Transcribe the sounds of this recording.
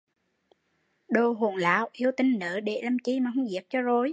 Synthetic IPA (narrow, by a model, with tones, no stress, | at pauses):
ɗo˧˩ɦo˨˩nla̰ː˧˨wʔi˧əwt̪ï˧ŋnəː˨˦ɗe˨˩lə˨˩mt͡ɕi˧maː˨˩hə˧wŋ͡mzi˨˩əp̚t͡ɕɔ˧zo˧˩j